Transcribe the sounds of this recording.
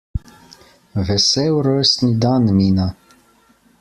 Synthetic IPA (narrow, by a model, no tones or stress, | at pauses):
vɛsɛwɾøst̪nid̪anmiːna